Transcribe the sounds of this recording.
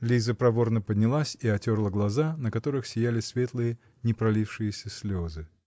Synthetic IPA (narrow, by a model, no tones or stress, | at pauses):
lʲizəpɾɐvo̞rnəpədʲnʲɪlˠasʲiɐtʲo̞rlˠəɡlˠɐzanəkɐt̪o̞ɾɨxsʲɪjælʲɪsʲvʲe̞t̪lˠɨjə | nʲɪpɾɐlʲifʂɨjɪsʲəsʲlʲozɨ